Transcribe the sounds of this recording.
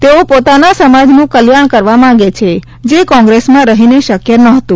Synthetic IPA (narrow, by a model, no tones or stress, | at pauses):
t̪eopot̪anasəmad͡ʒnũkəljaɳkəɾʋamãaɡet͡ʃʰe | d͡ʒekɔ̃ŋɡɾesmãɾəɦineʃəkjənəɦət̪ũ